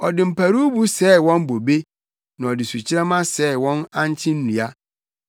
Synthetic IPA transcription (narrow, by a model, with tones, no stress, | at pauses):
ɔ˨dɪ˨m̩˨pʰa˨ɾu˦bu˦sɛ˦wɔ̃˦mbo˨be˦ | nã˨ɔ˨dɪ˨su˨t͡ɕʰɪ˦ɾɛ˦mã˦sɛ˦˨wɔ̃˦nã˦n˦t͡ɕʰɪ̃˦n̩˦nũ˨a˦